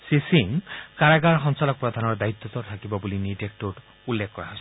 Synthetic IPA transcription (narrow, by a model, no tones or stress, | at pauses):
sisiŋkaɹaɡaɹxɔnsalɔk̚pɹɔd̪ʱanɔɹd̪ait̪ːɔt̪ɔt̪ʰakibɔbulinitek̚toʈ | ulːekkːɔɹaɦɔjsɔ